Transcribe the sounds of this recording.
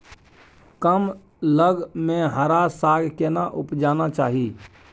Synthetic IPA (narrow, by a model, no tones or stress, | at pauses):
kəm | ləɡmẽɦəɾasaɡʱkenaʔupd͡ʒaːnat͡ʃa̰ːɦi